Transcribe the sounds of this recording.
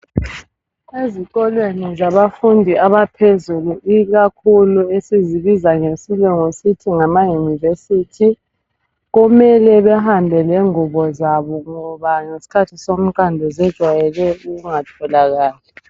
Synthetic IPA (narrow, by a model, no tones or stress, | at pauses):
ezikɔlwenizaβafundʱiʔaβapʰezuluʔiɣakʰuluesiziβizaŋesilwɛŋositʰiŋamajunivesitʰi | ɣumɛlɛβɛhambʱɛlɛŋuβɔzaβɔŋɔβaŋesi̥kʰatʰisom̩ǃʼandʱɛzɛd̥ʒ̥ʱwajɛlɛuɣuŋatʰɔlaɣaːlɛ